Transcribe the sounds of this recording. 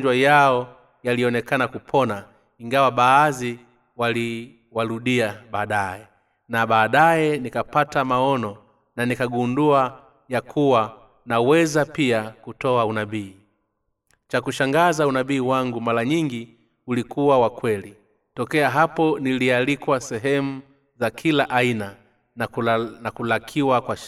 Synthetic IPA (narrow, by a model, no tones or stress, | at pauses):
d͡ʒwajaɔ | jaliɔnɛkanakupʰɔna | iŋɡawaɓaːzi | wali | waɾuɗiaɓaːɗaɛ | naɓaːɗaɛnikapatamaɔnɔ | nanikaɡundua | jakʰuwa | nawɛzapiakutɔaunaɓiː | t͡ʃakuʃaŋɡazaunaɓiːwaŋɡumalaɲiŋɡi | ulikuwawakwɛli | tɔkɛaɦapɔnilialikwasɛɦɛmu | zakʰilaʔaina | nakulakʰiwakwa